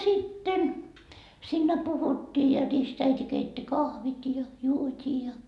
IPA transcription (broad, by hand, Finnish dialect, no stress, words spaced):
sitːen siːnːæ puhutːiː jɑ ristæiti keitːi kɑhʋit jɑ juotʲiː jɑ